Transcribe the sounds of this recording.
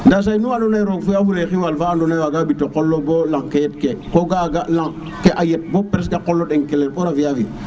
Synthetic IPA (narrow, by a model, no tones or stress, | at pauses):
ndas̬ainuandonajɾoɡfeafuɾexiwalfaːndonawaɡabitokolːobolaŋkejet̚kekoɡaɡalaŋ | keʔajet̚bopɾesɡakolːoɗeŋkelːeɾɓoɾafiavi